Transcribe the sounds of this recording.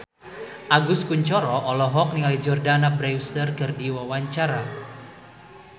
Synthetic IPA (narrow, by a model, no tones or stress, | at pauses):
ʔaɡʊskuɲt͡ʃɔɾɔʔɔlɔɦɔk̚niŋalid͡ʒɔrdanabɾɛwst̪ərkɨrdiwawaɲt͡ʃaɾa